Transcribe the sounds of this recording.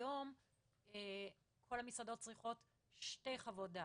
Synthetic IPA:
jo̞m | e | kʰo̞lhamisado̞t̚t͡sʁiχo̞t | ʃte̞jχavoda

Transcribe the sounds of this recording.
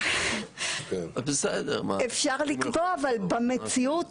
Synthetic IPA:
bised̪ḛʁmaefʃaʁlikboavalbamet͡siut

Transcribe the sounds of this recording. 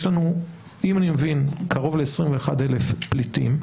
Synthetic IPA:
ʃlanu | imanimevinkʰaʁo̞vle̞ːsʁimveːxade̞lefplitḭm

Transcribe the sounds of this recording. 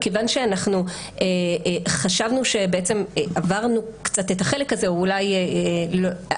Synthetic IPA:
kevanʃeanaχnu | eχaʃavnuʃe̞beet͡se̞mʔavaʁnukt͡satetaχe̞lekaze̞ulajelo

